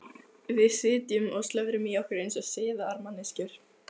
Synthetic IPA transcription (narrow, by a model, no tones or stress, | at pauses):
vɪðsɪːt̪jʏmɔɣst̪lœvɾɪmiawhkɪɾejnsaðseːðaaɾmanɪscʏɾ̥